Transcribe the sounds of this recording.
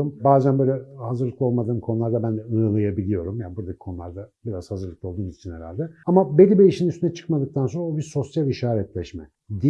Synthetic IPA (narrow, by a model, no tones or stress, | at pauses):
mbaːzænbø̞jlʲɛhazɯɾlˠɯklˠɯo̞lˠmad̪ɯːmkʰo̞nulˠaɾd̪abænd̪ɛɯɯlˠajabilʲijo̞ɾumjaːnibuɾd̪acʰi̥kʰo̞nulˠaɾd̪abiɾazhazɯɾlˠɯklˠɯo̞lˠd̪uːmnizt͡ʃʰinheɾa̰lʲd̪ɛamabelʲibejiʃinyst̪ynɛt͡ʃʰɯ̥kmad̪ɯk̚t̪ʰanso̞nɾaobiɾso̞sjalʲiʃaːɾɛt̪lʲɛʃmɛ | d̪i